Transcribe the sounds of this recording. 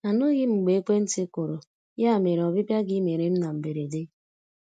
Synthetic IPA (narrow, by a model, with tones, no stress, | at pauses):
a˨nʊ˦ɣɪ˦ŋ͡m̩˨ɡ͡be˨˦kʷe˦n̩˦tɪ˦ko˨ɾo˨ | ja˦a˨me˨ɾe˨ɔ˨bɪ˦pja˦ɡɪ˦me˨ɾe˨m̩˦na˨m̩˨be˨ɾe˨de˦